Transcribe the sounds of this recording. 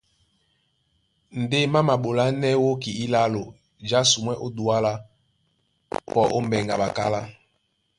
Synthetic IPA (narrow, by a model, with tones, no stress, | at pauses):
n̩˨de˦ma˦ma˨ɓo˨la˦nɛ˦wo˦ki˨i˦la˦lo˨ | d͡ʒa˦su˨mwɛ˦ʔo˦du˨a˦la˦ | pɔ˦˨ʔo̰˦m˦bɛ˨ŋɡa̰˨ɓa˨ka̰˦la˦